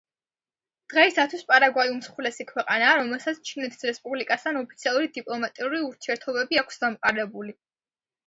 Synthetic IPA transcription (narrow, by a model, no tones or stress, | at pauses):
d̪̥ʁɛisd̪at̪ʰwispʼaɾaɡwaiumsχulɛsikʰwɛqʼanaːɾɔmɛlˠsat̪sʰt͡ʃʰinɛt̪ʰi̥sɾɛspʼublikʼast̪ʰanɔpʰit̪sʰialˠuɾid̪ipʼlˠɔmat̪ʼiuɾiuɾt̪ʰiɛɾt̪ʰɔbɛbiakʷʰsd̪amqʼaɾɛbuli